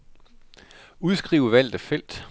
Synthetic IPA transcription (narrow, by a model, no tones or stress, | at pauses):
uðˠsɡ̥ʁiʊəʋæl̰d̥̩fel̰d̥